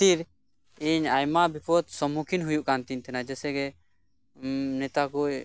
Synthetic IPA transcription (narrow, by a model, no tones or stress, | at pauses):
t̪iɾ | iɲajmabipɔt̪sɔmukʰinɦujuʔkant̪iɲt̪ɛnad͡ʒɛsɛɡɛ | nɛt̪akuj